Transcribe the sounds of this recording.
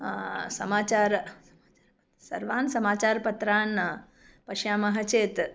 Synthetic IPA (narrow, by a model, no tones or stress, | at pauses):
sɐmaːt͡ʃaːɾ | sɐ̰ɾʋaːnsɐmaːt͡ʃaːɾpɐt̪ɾaːn | pɐʃjaːmɐɦɐt͡ʃeːt̪